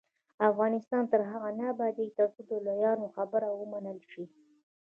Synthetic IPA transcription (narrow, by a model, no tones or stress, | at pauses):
afɣɑnɪst̪ɑnt̪əɾɦaɣanabad̪it̪ɑkud̪olajɑnoxabəɾawəmanəlʃi